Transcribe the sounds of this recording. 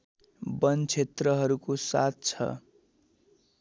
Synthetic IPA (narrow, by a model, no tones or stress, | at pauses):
bʌnt͡sʰet̪rʌɦʌɾukosa̰t̪̚t͡sʰʌ̰